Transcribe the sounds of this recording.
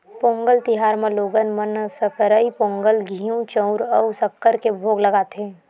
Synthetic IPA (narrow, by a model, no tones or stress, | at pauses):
põːŋɡəlt̪ɪɦaːɾmẽloːɡənmənsəkəɾəipõːŋɡəlɡʱiːũt͡ʃə̃ʊɾəwsɐkːəɾkebʱoːɡlɐɡaːt̪eː